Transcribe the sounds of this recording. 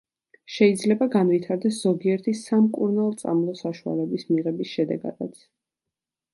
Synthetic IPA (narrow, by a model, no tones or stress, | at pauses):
ʃɛid̪zlɛbaɡanvit̪ʰaɾd̪ɛsz̥ɔɡiɛɾt̪ʰisamkʼṵɾnalˠt̪sʼa̰mlˠɔsaʃua̰lɛbismiʁɛbisʃɛd̪ɛ̰ɡa̰d̪a̰t̪sʰ